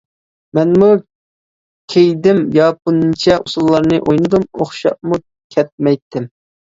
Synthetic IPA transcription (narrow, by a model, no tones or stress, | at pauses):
mɛnmu | kʲʰejd̪ɪmjɑpunɨnt͡ʃʰɛʔusulˠːɑɾnɨʔojnɨd̪umoχʃɑ̰ʔ̚mu | kʲʰɛt̪̚mɛjt̪ʰːɪm